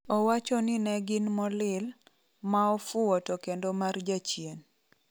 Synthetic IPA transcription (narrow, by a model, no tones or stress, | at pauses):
ɔwat͡ʃɔnɪnɛɡɪnmɔlɪl | maɔfʊwɔtɔkendomard͡ʒat͡ʃjen